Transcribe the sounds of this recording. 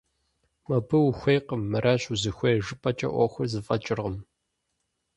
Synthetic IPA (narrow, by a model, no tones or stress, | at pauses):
mɐbɨwxʷejqəmːɐɾʔaːɕuzɨxʷɐʒɨpʰʼɐt͡ʃʼɐ̰ʔʷɔ̰xʷɐrzɨfʼɐt͡ʃʼɪrʁəm